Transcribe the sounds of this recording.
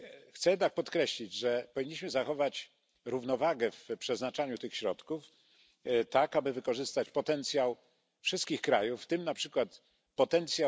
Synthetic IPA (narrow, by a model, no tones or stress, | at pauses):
xt̪sɛjɛd̪ak̚pɔt̪kɾɛɕlʲid͡ʑʐɛpɔvʲiɲːiɕmɘzaxɔvat͡ɕ | ɾuvnɔvaɡɛfpʂɛznat͡ʂaɲut̪ɘxɕɾɔt̪kuf | t̪akabɘvɘkɔʐɘst̪at͡ɕpɔt̪ɛnt̪sʲjaw | fʂɘst̪kʲixkɾajufːt̪ɘmnapʂɘkwat̪ | pɔt̪ɛnt̪sʲja